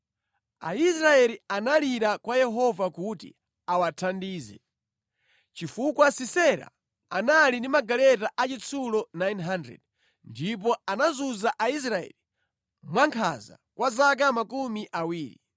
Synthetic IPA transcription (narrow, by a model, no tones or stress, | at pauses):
a̰isɾaɛlianaliɾakwajɛɦɔvakutḭ | awatʰandiːzɛ̰ | t͡ʃifukwasisɛɾa̰ | analindimaɡalɛtaʔat͡ʃit͡sʰulɔnajnɦandɾɛ̰d | ndip̬ɔanazuzaʔais̬ɾaɛ̰li | mwaŋkʰa̰za̰kwʔazak̬amakumiʔawiːɾḭ